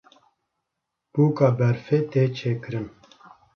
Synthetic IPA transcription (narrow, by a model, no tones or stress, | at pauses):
puːkɑːbɛɾfeːt̪eːt͡ʃʰeːkɨɾɨm